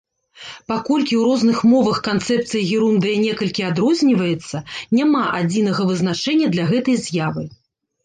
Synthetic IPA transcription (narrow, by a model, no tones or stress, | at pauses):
pakɔlʲkʲiwɾɔznɨxmɔvɐxkant̪sɛp̚t̪sɨjɐɣʲiɾund̪ɨjɐnʲɛkɐlʲkʲiad̪ɾɔzʲnʲivɐjɛt̪sːɐnʲamaʔad͡zʲinɐɣɐvɨzn̪at͡ʂɛnʲːɐd̪lʲɐɣɛt̪ɐjzʲjavɨ